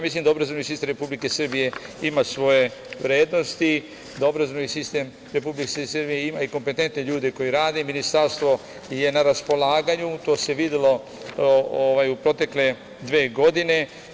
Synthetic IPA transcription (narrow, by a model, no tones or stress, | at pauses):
jamislimd̪aobɾazonisist̪emɾe̞publikesr̩bije̞imasʋo̞je̞ʋɾeːd̪no̞st̪i | d̪ao̞bɾazonisist̪em | ɾe̞publikessərbijeimaiko̞mpe̞t̪ent̪ne̞ʎuːd̪e̞ko̞jiɾaːd̪eminist̪aɾst̪ʋo̞ | je̞naɾaspo̞laːɡaɲut̪o̞ːse̞ʋid̪elo̞ | oʋajupɾo̞t̪e̞kle̞ | d̪ʋeːɡo̞d̪ine̞